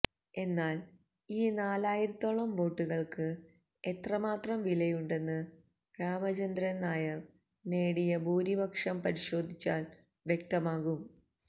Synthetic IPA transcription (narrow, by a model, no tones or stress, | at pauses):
e̞nːaːl | iːnaːlaːjiɾɐt̪ːoɭɐmʋo̞ːʈːuɣɐɭkɨ | e̞t̪rɐmaːt̪rɐmʋilɐjuɳɖe̞nːɨ | ɡ̥ɾaːmɐt͡ɕɐnd̪ɾɐnaːjɐ | ne̞ːɽijɐbuːɾibɐkʂɐmpɐɾiɕo̞ːd̪ʱit͡ɕːaːl | ʋjek̚t̪ɐmaːɣum